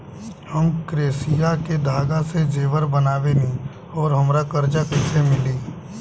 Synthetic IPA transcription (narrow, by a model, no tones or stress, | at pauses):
həmkɾeːsijaked̪ʱaːɡased͡ʒeːʋəɾbənaːʋenĩ | ɔːɾɦəmɾakəɾd͡ʒakɪsemɪliː